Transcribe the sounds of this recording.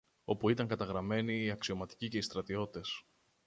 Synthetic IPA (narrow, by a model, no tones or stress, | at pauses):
o̞puit̪ɐŋkɐt̪ɐɣɾɐme̞niːɐksio̞mɐt̪i̥cice̞ist̪ɾɐt̪io̞t̪t̪e̞s